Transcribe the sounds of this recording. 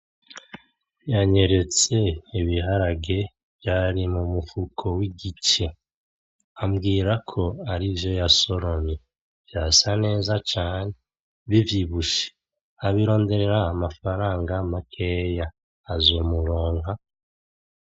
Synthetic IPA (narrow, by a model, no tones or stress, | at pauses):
jaɲe̞ɾe̞t͡se̞iβiɦaɾaɡe̞ | vjaɾimumufukʰo̞wiɡit͡ʃe̞ | amɡiːɾakʰo̞aɾivjo̞jaso̞ɾo̞ɲe | v̥jasane̞ːzat͡ʃaːne̞ | βivjiβuʃe̥ | aβiɾo̞ːnde̞ɾe̞ɾaːmafaɾaːŋɡamakʰe̞jaː | zwemuɾoːŋha